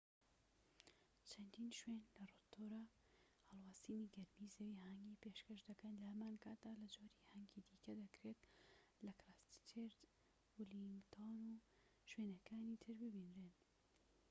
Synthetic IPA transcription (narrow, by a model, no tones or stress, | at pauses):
t͡ʃʰɐnd̪iːnʃwenlɐrot̪ʰːoːɾa | hɐlˠwaːsiːniɡɐɾmizɐwiɦɛŋɡiːpeʃkɐʃd̪ɐkɐnlɐhɐmaːnkʰaːt̪̚d̪aːlɐd͡ʒoːɾihɐŋɡid̪ikɐd̪ɐkɾet̪lɐkɾaːst̪t̪ʰeɾd̪ | uliŋɡt̪ʰonuː | ʃwenɐkʰaːnit̪ʰɨɾbɨbiːnɾen